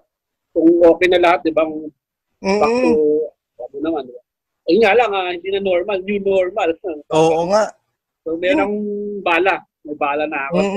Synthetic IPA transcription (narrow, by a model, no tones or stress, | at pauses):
kʊŋʔo̞ːkɛjnɐlɐhat̪̚d̪ɪbaŋ | pat̪o | omonɐmand̪ɪba | ʔɐŋalaŋahɪnd̪iːnɐnoɹmalninoɹmalsɐoːoŋaʔ | somɛːɾɾoŋbaːla | mɐjbaːlɐnɐɐko